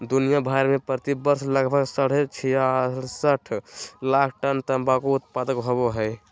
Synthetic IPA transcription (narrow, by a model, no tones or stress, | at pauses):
d̪unijabʱajɾmepɾət̪ibəɾsləɡbʱəɡsəɽ̤et͡ʃʰiasəʈʰlakʰʈənt̪əmbakout̪̚pad̪əkɦoboɦəj